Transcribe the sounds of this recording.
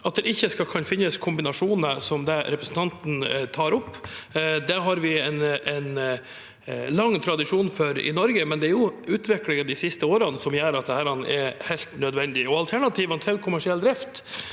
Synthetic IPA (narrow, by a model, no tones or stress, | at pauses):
ɑt̪̚d̪ɛʔɪçːəskɑlkʰɑnfɪnːəskʰʊmbɪnɑʂuːnəsɔmd̪ɛɾɛpɾəsn̩t̪ʰɑnt̪n̩t̪ʰɑːɾɔpːd̪ɛɦɑɾʋɪɛnɛn | lɑŋːt̪ʰɾɑd̪ɪʂuːnfœɾɪ̰nɔɾɡəmɛnd̪ɛæɾjʊʉːt̪ʰʋɪklɪŋənd̪ɪsɪst̪əoːɾənsɔmjæːɾɑt̪̚d̪ɛhæːɾɑn̰ʔɛɾhɛɪlt̪nœd̪ʋɛnd̪ɪɔɑlt̪ʰæɳɑt̪ʰiːʋɑnt̪ʰɛlkʰʊmæʂɪɛld̪ɾɪft̪